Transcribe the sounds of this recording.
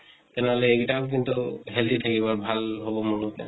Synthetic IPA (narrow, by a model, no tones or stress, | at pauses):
tɛnɛɦɔlɛːktak̬int̪uɦɛltit̪ʰakiβaɹbʱalɦɔbɔmunutɛ̰